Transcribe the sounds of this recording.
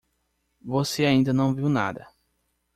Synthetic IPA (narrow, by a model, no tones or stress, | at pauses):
voseaĩnd̪ɐnɐ̃w̃viwna̰d̪ɐ̰